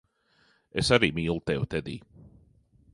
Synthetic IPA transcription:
esaɾiːmiːlˠt̪ɛwt̪ɛd̪ḭː

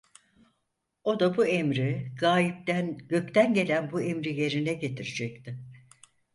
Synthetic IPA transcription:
o̞d̪abuemɾiɡ̥aːlip̚d̪ænɟ̥ø̞c̚t̪ʰænɟe̞lʲænbuemɾije̞ɾinɛɟe̞t̪ʰiɾid͡ʒɛc̚t̪ɪ

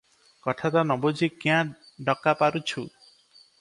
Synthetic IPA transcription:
kɔʈʰat̪anɔbod͡ʒʱikjã | ɖɔkapaɾut͡ʃʰu

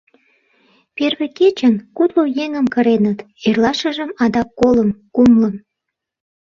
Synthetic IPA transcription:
perβeket͡ɕənkut̪lojeŋəmkəɾenət̪ | erlɑʃə̆ʒəmɑd̪ɑkːoləmkumləm

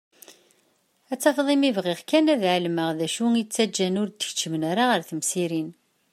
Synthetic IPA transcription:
æt͡sːɑfðˤimivʁiʁkænæðʕəlməʁðæʃuŋit͡sːæd͡ʒːænʊɾd̪ə̥çt͡ʃːəmənaɾaʁəɾθəmsiɾin

